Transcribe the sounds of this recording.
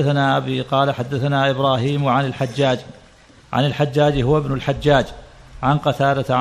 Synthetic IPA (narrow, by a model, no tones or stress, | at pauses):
aθanaʔabiqɑːlaħad̪ːaθanaʔɪbɾˤɑːɦiːmwʕanɪlħad͡ʒːaːd͡ʒ | ʕa̰nɪlħad͡ʒːaːd͡ʒɦʊwɪbnʊlħad͡ʒːaːd͡ʒʕanqɑt̪aːɾˤɑt̪ʕ